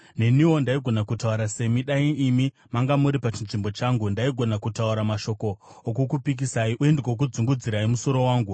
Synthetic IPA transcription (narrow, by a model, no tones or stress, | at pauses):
ne̞niwo̞ndaiɡʱo̞nakutauɾase̞miɗaiːmi | maŋɡamuɾipat͡ʃinʐimbo̞t͡ʃaːŋɡundaiɡʱo̞nakutauɾamaʃo̞ko̞ː | k̬ukupik̬isaiuendeɡwok̬ud͡zuŋɡud͡ziɾaimuso̞ɾo̞waːŋɡu